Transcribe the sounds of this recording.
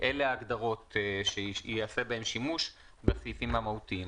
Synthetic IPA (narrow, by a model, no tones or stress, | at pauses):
ʔeleaːɡd̪aʁo̞t̪ʃeasebahemʃimuʃ | beχajfimːamautiim